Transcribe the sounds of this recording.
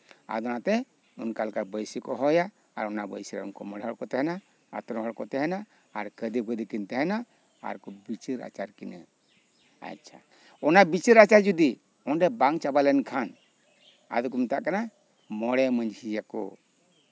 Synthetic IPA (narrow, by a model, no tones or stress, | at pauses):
a̰d̪ɔnat̪ɛ | unkalkabəjsikɔɦɔja̰ː | ɾɔnabə̰jsiɾa̰unkɔməɽɦɔɽkɔt̪ɛɦɛna | a̰t̪ɔɾɔɦɔɽkɔt̪ɛɦɛnaː | ɾkəd̪iɡəd̪ikint̪ɛɦɛna | a̰ɾkɔbit͡ʃiɾa̰t͡ʃaɾkina | a̰ct͡ʃʰa̰ | ɔnabit͡ʃiɾat͡ʃaɾd͡ʒud̪i | ɔnɖɛbaŋt͡ʃabalɛnkʰan | a̰d̪ukumit̪aʔkana | mɔɽɛməɲd͡ʒhijakɔ̰